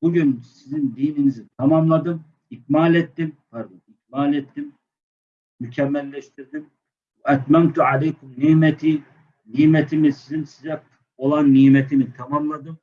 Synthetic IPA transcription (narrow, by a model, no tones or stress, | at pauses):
b̥uɟynsizind̪iːninizit̪ʰamamlˠad̪ɯm | ic̚maːlʲɛt̪ːimfaɾb̪uic̚maːlʲɛt̪ːimː | ycʰɛmːælʲːɛʃt̪ʰiɾd̪im | vɛæt̪mæmt̪uʕalɛjkumniːmɛt̪ʰi | niːmɛt̪ʰimisizinsizɛ | o̞lˠanːiːmɛt̪ʰinit̪ʰamamlˠad̪ɯm